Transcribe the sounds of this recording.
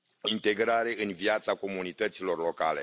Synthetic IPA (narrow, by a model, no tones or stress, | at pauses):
int̪e̞ɡɾaɾe̞ʔɨnviat̪sako̞munit̪ət̪silo̞rlo̞ka̰le̞̰